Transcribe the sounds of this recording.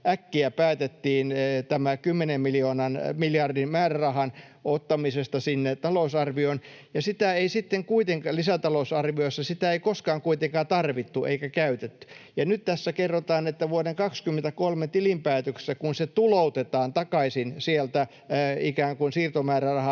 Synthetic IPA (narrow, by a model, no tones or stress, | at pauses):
ʔækːiæpæːt̪et̪ːiːnt̪æmækymːenemmilioːnɑnmiljɑrdimmæːrærɑhɑn | ot̪ːɑmisest̪ɑsinːet̪ɑlosɑrʋionjɑsit̪æeisit̪ːeŋkuit̪eŋkɑlisæt̪ɑlosɑrʋioisːɑsit̪æeikoskɑːŋkuit̪eŋkɑːt̪ɑrʋit̪ːuʔḛikækæyt̪et̪ːy̥jɑnyt̪t̪æsːækerːot̪ɑːnet̪ːæʋuodeŋkɑkskymːent̪ækolmet̪ilimpæːt̪økse̥sækunset̪ulout̪et̪ɑːnt̪ɑkɑisinsielt̪æ | ikæːŋkunsiːrt̪omæːrærɑhɑ